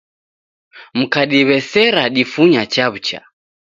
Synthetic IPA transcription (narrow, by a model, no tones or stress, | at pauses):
m̩kaɗiβɛsɛɾaɗifuɲat͡ʃaβut͡ʃa̰